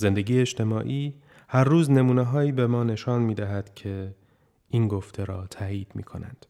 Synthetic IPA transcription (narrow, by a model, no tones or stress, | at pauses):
ze̞nd̪e̞ɡiːjeeʃt̪ʰe̞mɒːʔiː | hæɾːuːzne̞muːneɦɒːiːbe̞mɒːne̞ʃɒːnmiːd̪æɦæd̪̥cʰe̞ | ʔinɡoft̪ʰe̞ɾɒːt̪ʰæːiːd̪̥mḭːkʰo̞næ̰nd̪̥